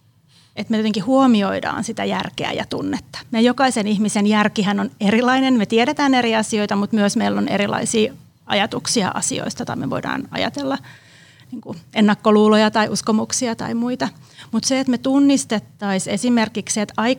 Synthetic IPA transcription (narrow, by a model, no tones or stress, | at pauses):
et̪mejot̪eŋkihuomioidɑ̰ːnsit̪æjærkḛæ̰jɑ̰t̪unːet̪ːɑ̥mejokɑisenihmisenjærkihænonerilɑinenmet̪ieɾet̪æːneriɑsioit̪ɑmut̪myøsmeilːonḛɾilɑ̰isiː | ɑ̰jɑt̪uksiɑ̰ʔɑ̰sḭo̰ist̪ɑt̪ɑ̰imeʋoidɑ̰ːnɑ̰jɑ̰t̪elːɑ | niːŋkuenːɑkːoluːlojɑt̪ɑiʔuskomuksiɑt̪ɑ̰imuit̪ɑ | mut̪seːt̪met̪unːist̪et̪ːɑisesimerkikset̪ɑi